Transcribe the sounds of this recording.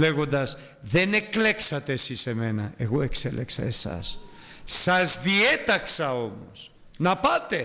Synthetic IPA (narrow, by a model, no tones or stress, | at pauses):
le̞ɣo̞nd̪ɐs | ðe̞ne̞kle̞ksɐt̪eːsise̞me̞nɐe̞ɣo̞e̞kse̞leksɐ̰e̞sɐ̰sː | ɐzðie̞t̪ɐksɐo̞mo̞̰s | nɐpɐt̪e̞